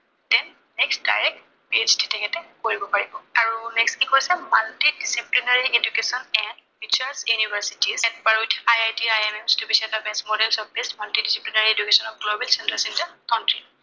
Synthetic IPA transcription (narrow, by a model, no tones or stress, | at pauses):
tɛn | nɛkstda̰jɹɛk̚t | piztitɛkʰɛtɛkoɹibɔpaɹibɔaɹunɛkskikojsɛmaltidisiplinaɹiʔedukesɔnɛnpit͡ʃasjunibaɹsi̥tizɛnbaɹutʰajajtiajɛmɛmstubisiɛtabɛsmɔdɛlsɔbɛstmaltidisiplinaɹiedukesɔnɔp̚ɡlobɛlsɛntɹasɛntakawntɹi